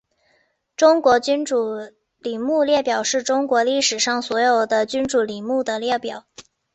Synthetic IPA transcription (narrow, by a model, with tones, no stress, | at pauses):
ʈ͡ʂʊ˥ŋkwɔ˧˥t͡ɕy˥nʈ͡ʂu˨˩ | li˨˩mu˥˧ljɛ˥˩pjɑ˨˩ʊʂɻ̩˥˩ʈ͡ʂʊ˥ŋkwɔ˧˥li˥˩ʂɻ̩˨˩ʂɑ˥˩ŋswɔ˧˥jo˨˩ʊd̪ə˦t͡ɕy˥nʈ͡ʂu˨˩li˨˩mu˥˩d̪ə˩ljɛ˥˩pjɑ˨˩˦ʊ